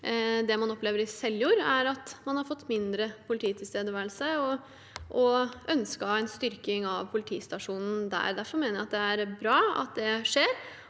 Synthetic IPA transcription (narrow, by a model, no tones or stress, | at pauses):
d̪ɛmɑnɔpleːʋəɾɪsɛljuːɾæɾɑt̪mɑnhɑɾfɔt̪ːmɪnd̪ɾəpʰʊlɪt̪ʰiːt̪ʰɪlst̪eːd̪əʋæːɾəlsəɔ | ʔɔœnskəhɑɛɪnst̪ʏɾkɪŋɑʋpʰʊlɪt̪ʰiːst̪ɑʂuːnn̩d̪æ̰ːɾd̪æɾfɔɾmeːnəjæɪɑt̪̚d̪ɛæɾbɾɑːɑ̰t̪̚d̪ɛʂeːɾ